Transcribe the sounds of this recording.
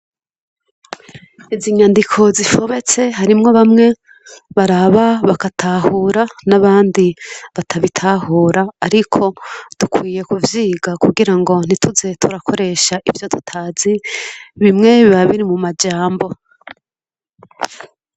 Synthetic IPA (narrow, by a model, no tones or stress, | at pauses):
iziɲandikʰo̞zifo̞βe̞t͡se̞ɦaɾimŋo̞βamŋe̞ | βaɾaβaβakatʰahuːɾanaβaːndiβatʰaβitʰahoːɾaːɾikʰo̞d̥ukʰwiːje̞kuvjiːɡakuɡiɾaŋɡo̞n̥ituze̞tʰuɾakʰo̞ɾe̞ʃaʔivjo̞tu̥tʰaziβimŋe̞βiβaβiɾimumad͡ʒaːmbo̞